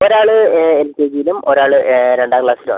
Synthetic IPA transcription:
oɾaːɭɨelkʲeːɡijilumʔo̞ɾaːɭɨɾeɳɖaːkɭaːsilṵ

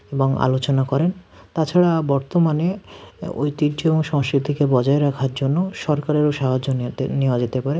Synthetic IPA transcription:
eboŋa̰lot͡ɕonakɔɾen | t̪at͡ɕʰaɽabɔɾt̪omaneo̰jt̪id͡ʑoeboŋʃɔŋskɾit̪ikebɔd͡ʑaeɾakʰaɾd͡ʑonːoʃɔɾkaɾeɾoʃaɦod͡ʑonniad͡ʑet̪epaɾe

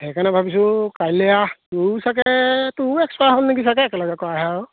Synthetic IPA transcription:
ɛkʰanɛbʱabis̬ʊkajlɛjatusakkɛtuɛksaɦɔnnikisakɛɛkɛlɔɡɛkɔaɦaw

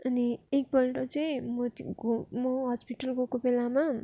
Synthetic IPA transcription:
ʌniek̚bʌlʈʌt͡sʌĩmʌ | mʌɦʌspiʈʌlkokobelama

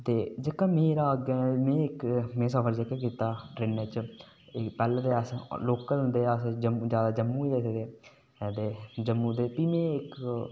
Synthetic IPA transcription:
t̪eːd͡ʒəkːaːmeːɾaːəɡeːmɛ̃ːɪkmẽːs̬əfəɾd͡ʒekaːk̬iːt̪aːʈɾeːnət͡ʃ | ɪpɛːld̪eːəsloːkəlɦʊ̃nd̪eːəsd͡ʒəmːd͡ʒjaːd̪aːd͡ʒəmːũiesed̪eː | d̪eːd͡ʒəmːũːd̪eːpiːmɛ̃ːɪk

